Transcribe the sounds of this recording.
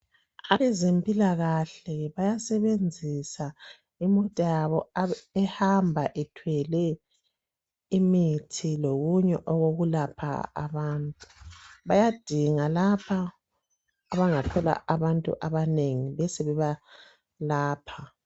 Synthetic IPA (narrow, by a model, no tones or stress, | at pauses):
aβɛzempʼilaɣaɬɛβajasɛβend͡zʱisa | imɔtʼajaβɔɛhambʱaʔɛtʰwɛlɛ | imitʰiloɣuɲɛʔɔɣoɣulapʰa̰a̰βaːntʼuβajad̥ʱiŋalapʰaː | βaŋatʰɔla̰ʔaβantʼṵʔaβaneŋiβɛseβɛβa | laːpʰa